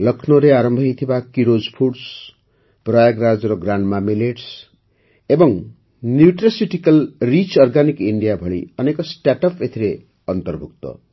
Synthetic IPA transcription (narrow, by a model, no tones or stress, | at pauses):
lʌkʰnoɾeaɾʌmbʱʌit̪ʰibakiɾod͡zpʰuʈs | prajaɡɾad͡zɾʌɡɾaɳɖmamileʈs | ebʌŋ | njuʈrasiʈikʌlrit͡ʃɔrɡanikiɳɖijabʱʌɭḭʌnekɔsʈaʈʌpet̪ʰiɾe | ʌnt̪ʌrbʱuk̚t̪ʌ̰